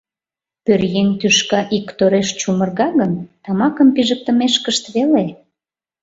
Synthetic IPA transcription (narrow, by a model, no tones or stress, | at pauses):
pørjenʲt̪yʃkɑʔikt̪oɾeʃt͡ɕumərɣɑɣənt̪ɑmɑkəmpiʒək̚t̪ə̆meʃkəʃt̪βele